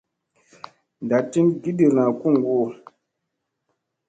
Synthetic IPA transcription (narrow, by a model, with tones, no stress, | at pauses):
n˨da˨ti˦nɡi˦di˨ɾna˨ku˦ŋ˨ɡo˦˨